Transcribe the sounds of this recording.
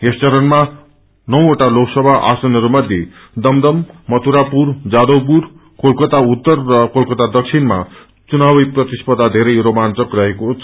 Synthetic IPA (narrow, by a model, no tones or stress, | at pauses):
est͡sʌɾʌnma | nʌwoʈaloksʌbʱaʔa̰sʌnʌɾumʌd̪ʱje | d̪ʌmd̪ʌmːʌt̪ʰuɾapuɾd͡zad̪owp̬uɾ | kʰolkʌt̪aut̪ːʌrːʌkolkʌt̪ad̪ʌkʃʰinma̰ | t͡sunawijprʌt̪ispʌd̪ʱad̪ʱeɾejɾomant͡sʌkrʌɦeko